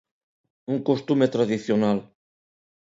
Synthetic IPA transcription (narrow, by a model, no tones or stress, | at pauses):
uŋkost̪umet̪ɾaðiθjonal